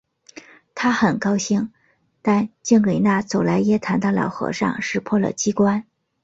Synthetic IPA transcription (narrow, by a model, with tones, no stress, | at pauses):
t̪ʰa˥xə˨˩nkɑ˥ʊɕi˥˩ŋ | t̪a˥˧nt͡ɕi˥˩ŋwe˨˩ɪna˥˩t͡so˨˩ʊla˧˥ɪjɛ˥t̪ʰa˧˥nd̪ɑ˥˧lɑ̰˨˩ʊxɤ̰˧˥ʂɑ̰˥˧ŋʂɻ̩˥˧pʰwɔ˥˩lə̰˨˩t͡ɕi˥kwa˥n